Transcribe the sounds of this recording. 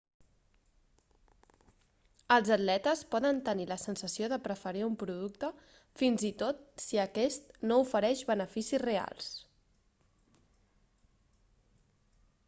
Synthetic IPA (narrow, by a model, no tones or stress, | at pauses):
əlˠzəd̪lɛt̪əspɔðənt̪əniləsənsəsioðəpɾəfəɾiumpɾuð̞ukt̪ə | finzit̪ot̪̚siəkɛst̪noufəɾɛʒβənəfisizrea̰lˠs